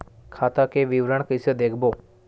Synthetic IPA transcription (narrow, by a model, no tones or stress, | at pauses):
kʰat̪akeʋiʋɾəɳkəised̪ekʰbo